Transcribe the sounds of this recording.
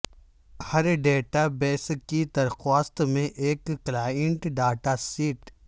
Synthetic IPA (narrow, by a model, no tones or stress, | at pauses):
hɐɾɖeːʈabeːskid̪ɐɾxaːst̪mẽʔeːkːlaːəɳʈɖaːʈasiːʈ